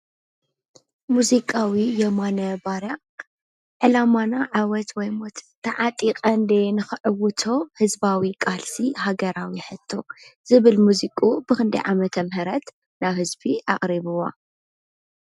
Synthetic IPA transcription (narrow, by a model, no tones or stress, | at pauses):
muzikʼawijɛmanɐbaɾa | ʕɨlamanaʕawɐt̪wɔjmot̪t̪ʰːɐʕat̪ʼiqʼɐnd̪enɨxɨʕɨwːʊt̪ʰo̞hɨzbawikʼalsiɦaɡɐɾawiħɨt̪ʰːo̞z̥ɨβɨlmuzikʼubɨxɨnd̪ɐ̰jʕamɐt̪ʰɐmhɨɾɐt̪ | nawhɨzbiʔa̰χʼɾiβɨwa̰